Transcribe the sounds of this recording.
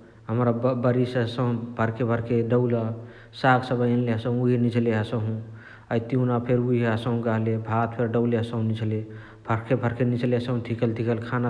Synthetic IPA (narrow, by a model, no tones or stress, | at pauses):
ɦəmɾabəɾisɦəsəɦũbʱəɾkebʱəɾkeɖəwlə | saksəbənleɦəsə̃ɦũuɦinit͡ʃʰleɦəsəɦũ | əjt̪iunapʰeɾuɦiɦəsəɦũkəɦlebʱat̪pʰeɾɖəwleɦəsə̃ɦũnit͡ʃʰle | bʱəɾkʰebʱəɾkʰenit͡ʃʰleɦəsəɦũt̪ʰikəlt̪ʰikəlkʰana